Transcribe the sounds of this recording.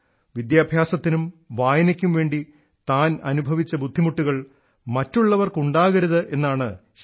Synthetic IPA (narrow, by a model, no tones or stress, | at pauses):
ʋid̪jaːbʱjaːsɐt̪ːinumʋaːjɐnɐkʲːumʋe̞ːɳɖi | t̪aːnɐnubʱɐʋit͡ɕːɐbud̪ʱːimuʈːuɣɐɭ | mɐtːuɭːɐʋɐrkuɳɖaːɣɐɾuðɨʔe̞nːaːɳɨɕ